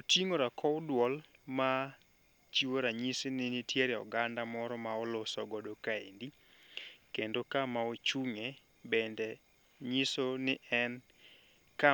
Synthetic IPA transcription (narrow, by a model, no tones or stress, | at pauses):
otiŋoɾakʰɔwʊdwɔlma | t͡ʃiwoɾaɲisenɪnitjeɾɛɔ̰ɡandamɔɾɔmaɔlosɔɡɔdokaendi | kendokamaot͡ʃuŋe | bɛndɛ | ɲisonɪʔɛn | ka